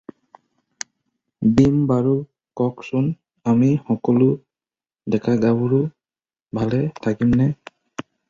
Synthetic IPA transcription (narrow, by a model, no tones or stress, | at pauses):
bimbaɹu | kɔksʊn | amixɔkɔlʊ | dɛkʰaɡabuɹu | bʱalɛtʰakimnɛ